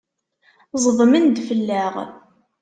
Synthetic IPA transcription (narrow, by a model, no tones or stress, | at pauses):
zˤəvmənd̪fəlːæʁ